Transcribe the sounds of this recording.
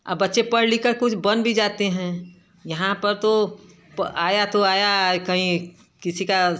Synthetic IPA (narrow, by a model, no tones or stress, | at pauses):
ɐ̰bbɐtːʃepɐɽlikakʊt͡ʃʰbɐnbʱid͡ʒaːt̪eɦɛ̃ | jɐɦãpɐɾt̪o | paːjat̪oaːjakɐɦĩ | kɪsika